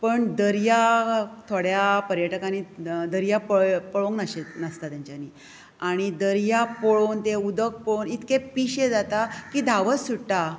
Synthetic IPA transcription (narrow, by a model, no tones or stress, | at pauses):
pəɳd̪əɾjat̪ʰoɽjapəɾjəʈəkanid̪əɾjapəpəɭõŋɡnəɕenəst̪at̪jãɲt͡ɕjani | aɽ̃id̪əɾjapoɭont̪eud̪ək̚pɔɭonit̪kẽpiɕed͡zat̪akiːd̪ʱaʋəsuɽʈa